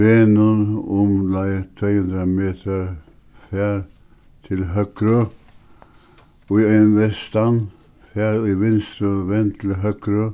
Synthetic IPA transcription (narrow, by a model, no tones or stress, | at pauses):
ʋenunɔmlæɪt̪ʰɾeːhʉnd̪ɾəmeːt̪ʰəɾ | fæːɾ | t̪ʰɪlɦœkɾə | iœnʋɛst̪an | fæːɾiʋɪnst̪ɾəʋɛnt̪ʰɪlɦœkɾə